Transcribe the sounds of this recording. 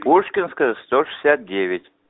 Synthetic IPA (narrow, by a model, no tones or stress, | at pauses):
puʂkʲɪnskəəst̪oʂɨ̥sʲat̪̚dʲeʋʲɪtʲ